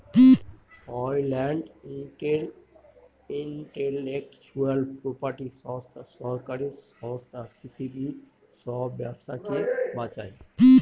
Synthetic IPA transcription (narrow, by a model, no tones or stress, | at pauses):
ɔjlɛɳɖiʈeɾ | iɳʈelekt͡ɕualpɾopaʈiʃɔbst̪ʰaʃɔɾkaɾisɔbost̪ʰapɾit̪ʰibi | ʃɔbjabʃakebãt͡ɕae